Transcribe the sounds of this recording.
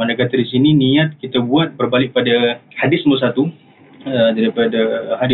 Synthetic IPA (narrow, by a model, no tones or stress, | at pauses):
andakat̪ardis̬inĩniat̪̚kit̪abuat̪̚bərbalɪk̚padahadɪsməs̬at̪u | ədaɾipadahadɪ